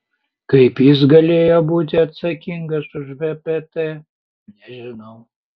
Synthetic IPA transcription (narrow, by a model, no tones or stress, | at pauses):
kɐɪpjɪs̬ɡɐlʲeːjoːbuːt̪ʲɪɐt̪sɐkʲɪŋɡɐsʊʒbʲɛpʲɛt̪ɛ | nʲɛʒʲɪnɐʊ